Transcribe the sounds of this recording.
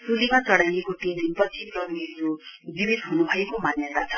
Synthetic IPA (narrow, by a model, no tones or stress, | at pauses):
pulimat͡sʌɽajekoʈiminpʌt͡sʰit̪ʌɾniɾubibid̪ɦunubʱʌekomanjʌt̪at͡sʰʌ